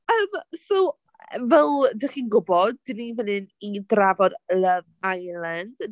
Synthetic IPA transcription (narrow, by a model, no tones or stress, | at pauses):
əːmsow | vɛlˠdɪχiːnɡʊbɔd̚dɪnivənɨnidravɔdləvajlˠand̥